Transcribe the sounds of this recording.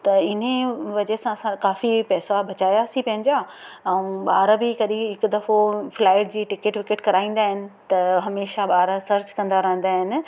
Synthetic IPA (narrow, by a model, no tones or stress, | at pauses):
t̪ɐɪn̤ẽʋɐd͡ʑesãɐsãkaːfipɛːsabʱɐt͡ɕaːjaːsĩpɐ̃ɦɪ̃ɲd͡ʑaːɛ̃ɓaːɾabʱikɐɗiɦɪkd̪ɐfoflaːɪʈd͡ʑiːʈɪkeʈʋɪkeʈkɐɾaːĩːnd̪aːɦɪnɪ̆t̪ɐɦɐmeːʃaɓaːɾasɐɾt͡ɕkɐ̃nd̪aɾɐɦə̃nd̪aːɦɪnɪ̆